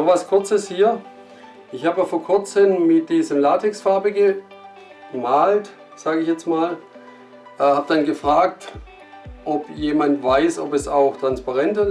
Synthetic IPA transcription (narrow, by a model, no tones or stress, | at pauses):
nɔχvaskʰʊɐt͡səshiːɐ | ʔɪçhaːbəfoːɐkʰʏɐt͡səmmɪt̚d̥iːzəlaːtʰɛksfaɐbəɡə | maːlt | z̥aːɡɪçjɛt͡stmaːl | ʔhaːb̚d̥anɡəfʁ̥aːk̚t | ʔɔpjeːmantv̥aɪsɔpɛsaʊxtʁ̥anspaʁɛntɐ